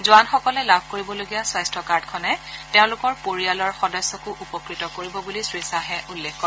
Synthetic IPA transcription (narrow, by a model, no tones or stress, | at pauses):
zʊanxɔkɔlɛlab̚ʱkoɹibɔloɡijaswajstɹɔkaɹdkʰɔnɛteʊ̃lʊkɔɹpoɹialɔɹxɔdɔsːɔkʊʔupɔkɹitɔkoɹibɔbulisɹisaɦɛʔulːexkɔ